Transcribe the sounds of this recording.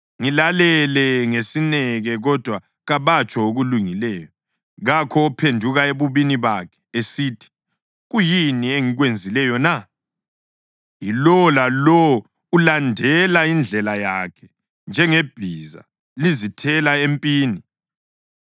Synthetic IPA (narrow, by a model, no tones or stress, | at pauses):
ŋilalɛlɛŋesinɛɣɛɣɔd̥ʱwa | ɣaβat͡ʃʼɔoɣuluŋilɛːjɔ | ɣakʰɔːpʰendʱuɣaeβuβiniβakʰɛ̥esiːtʰi̥ | ɣujinieŋiɣwend͡zʱilɛjɔna | ilɔlalɔ | ulandʱɛlaind͡ɮʱɛlajakʰɛ̥ | nd͡ʒʱɛŋeb̥ʱiza̰ | lizitʰɛlaempʼiːni